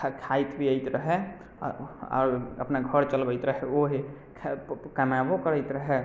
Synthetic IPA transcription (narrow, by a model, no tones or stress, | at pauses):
kʰajt̪bʱiəɪt̪ɾəɦɛ | ɔ̰ːɾə̰pnaɡʱəɾt͡ʃəlbəɪt̪ɾəɦɛoɦe | kʰkəmjabokəɾəɪt̪ɾəɦɛ